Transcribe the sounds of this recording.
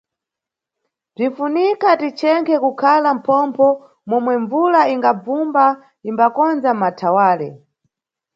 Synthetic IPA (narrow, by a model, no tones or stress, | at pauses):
b͡ʐinfunikatit͡ʃɛŋkʰɛkukʰalam̩pʰɔmpʰɔ | mɔmwɛɱvulaiŋɡab͡vumba | imbakɔnzamatʰawaːlɛ